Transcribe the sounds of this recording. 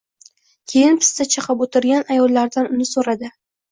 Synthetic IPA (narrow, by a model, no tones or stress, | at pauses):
kʲʰe̞jɪnpʰɪ̥st̪at͡ʃʰɪqʰɑpot̪ʰɪɾɡʲanajɒlːaɾd̪anʊnɪsoɾad̪ɪ